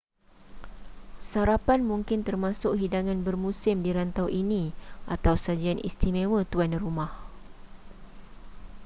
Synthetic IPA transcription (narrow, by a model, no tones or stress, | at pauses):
saɾapanmũŋkɪnt̪ərmãsʊkɦidaŋãnbərmũsɪmdiɾant̪awʔinĩʔat̪awsad͡ʒianḭst̪imẽwət̪uanrumah